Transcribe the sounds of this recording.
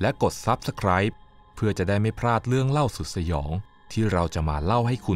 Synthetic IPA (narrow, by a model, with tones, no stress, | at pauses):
lɛ˦˥ko˨˩t̪̚sa˦˥p̚sa˧kʰɾaː˦˥jpʰː | ɯ˥˩ɐt͡ɕa˨˩daː˥˩jma˥˩jpʰɾaː˥˩t̪̚lɯ˥˩əŋla˥˩wsu˨˩t̪̚sa˧jɔ̰ː˩˦ŋ | t̪ʰiː˥˩ɾa˧wt͡ɕa˨˩ma̰ː˧la˥˩wɦa˥˩jkʰu˧